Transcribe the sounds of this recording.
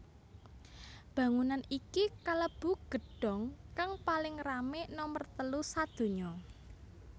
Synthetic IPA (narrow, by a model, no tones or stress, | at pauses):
b̥ä̤ŋunanikikaləb̥ṳɡ̥ə̤ɖ̥ɔ̤ŋkaŋpalɪŋramɪʔnɔmərt̪əlusad̪̥o̤ɲɔ